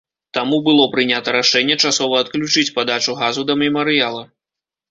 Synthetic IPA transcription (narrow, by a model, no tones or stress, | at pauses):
t̪amubɨlˠɔpɾɨnʲat̪ɐɾaʂɛnʲːɛt͡ʂasɔvɐːt̪klʲut͡ʂɨt͡sʲpad̪at͡ʂuɣazud̪ɐmʲɛmɐɾɨjalˠɐ